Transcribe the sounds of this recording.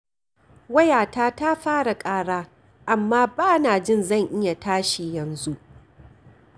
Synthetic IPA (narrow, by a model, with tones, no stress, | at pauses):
wɐ˦jaː˨taː˦ta˦ɸaː˦ɽa˨kʼaː˦ɽaː˦ | ʔa˨mːaː˦baː˦naː˨d͡ʒɪ˦˨nzɐ˦˨ŋʔɪ˦ja˨taː˦ʃi˨jɐ˨nzu˦ʔ